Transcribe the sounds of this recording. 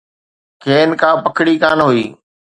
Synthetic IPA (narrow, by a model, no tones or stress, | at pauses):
kʰeːnkãːpəkʰɽiːkaːnɦuiː